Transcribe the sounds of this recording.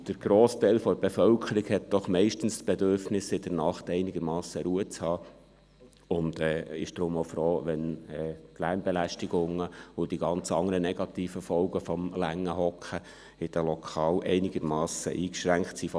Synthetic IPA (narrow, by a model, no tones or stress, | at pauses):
d̥əɾɡ̥ɾoːstæɪlfɔb̥efœlkʰəɾikhɛt̚d̥ɔχmɛɪʃtən̩stb̥edøɾfnɪsɪd̥əɾnɑχtɛɪnɪɡ̥əɾmɑːsəɾuət͡shɑː | ʊnd̥ɛːɪ̰ʃd̥̪ɾʊmofɾoːʋɛnɛːtlæːmbɛlæʃtɪɡʊŋəʊd̥iɡɑnt͡sɑŋəɾənɛɡ̥ɑtiːfəfɔlɡəfɔmlæŋːəɦɔkχə | ɪd̥əlɔkʰɑːlʔɛɪnɪɡ̥əɾmɑːsə̰ʔiːkʃɾæŋktsiːf